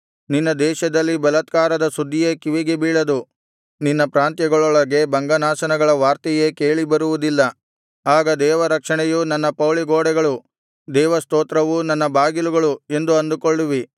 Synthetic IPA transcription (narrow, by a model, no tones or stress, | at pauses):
ninːɐd̪ɛːʃɐd̪ɐlːibɐlɐt̪kaːɾɐd̪ɐsud̪ːijeːkiʋiɡebiːɭɐd̪u | ninːɐpɾaːnt̪jɐɡɐɭɔɭɐɡe̞bɐŋɡɐnaːsɐnɐɡɐɭɐʋaːɾt̪ijeːke̞ːɭibɐɾuʋud̪ilːɐ | aːɡɐd̪ɛːʋɐɾɐkʂɐɳɛjunɐnːɐpɐwɭiɡoːɽɛɡɐɭu | d̪ɛːʋɐst̪oːt̪ɾɐʋunɐnːɐbaːɡiluɡɐɭue̞nd̪uɐnd̪ukoɭːuʋi